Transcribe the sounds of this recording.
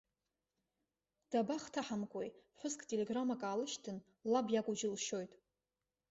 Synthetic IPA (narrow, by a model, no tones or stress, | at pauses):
d̥abaχtʰaħamkʷʼojħʷʊzkʼtʼe̞le̞ɡramakʼaːlɨʃtʰɨn | labjakʷʼʊd͡ʒɪlʃo̞jtʼ